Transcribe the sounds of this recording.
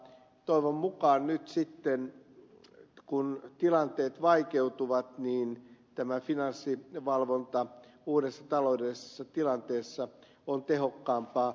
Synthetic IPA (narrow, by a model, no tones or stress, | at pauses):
t̪oiʋommukɑːnnyt̪sit̪ːen | kunt̪ilɑnt̪eːt̪ʋɑikeut̪uʋɑt̪niːnt̪æmæfinɑnsːiʋɑlʋont̪ɑuːɾesːɑt̪ɑloudesːɑt̪ilɑnt̪eːsːɑ | ont̪eɦokːɑːmpɑː